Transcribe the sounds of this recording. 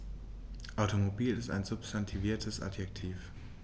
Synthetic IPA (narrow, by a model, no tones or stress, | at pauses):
ʔaʊtomobiːlɪsta̰ɪnzʊpstantʰiviːɐtʰəsʔa̰tjɛk̚tʰiːf